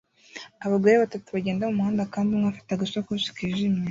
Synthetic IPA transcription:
aβaɡaɾeβatatuβaɟe̞ːndamumuhaːndakaːndimŋafḁtaɡaʃakuʃi̥kiʒimɲe

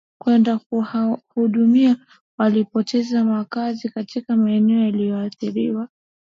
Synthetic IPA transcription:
kwɛndakhuɗumia | walipɔtʰɛzamakazikatikamaɛnɛɔjalijɔːθiɾiwa

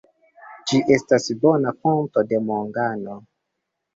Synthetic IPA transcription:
d͡ʒiʔestasbonakontode̞moŋɡano

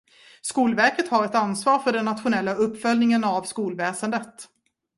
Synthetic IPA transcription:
skuːlvæɾkət̪haɾɛt̪ansvɑːɾfœɖɛnːat̪ɧʊnɛlːaɵpːfœlnɪŋənavskuːlvɛːsənd̪ət̪

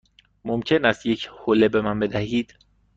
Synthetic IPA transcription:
momcʰe̞næst̪je̞cʰhole̞be̞mænbe̞d̪æhiːd̪̥

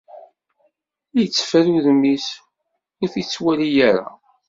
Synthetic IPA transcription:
jət͡sːfæɾuðmːis | ʊɾθit͡sːwælijaɾæ̰

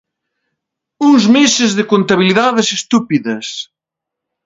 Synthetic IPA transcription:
uŋzmesɪzðɪkont̪aβiliðaðesest̪upiðɐs

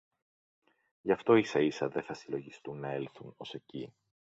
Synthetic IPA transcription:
ʝɐft̪o̞isɐisɐðe̞θɐsilo̞ʝist̪unːɐe̞lθuno̞se̞ci

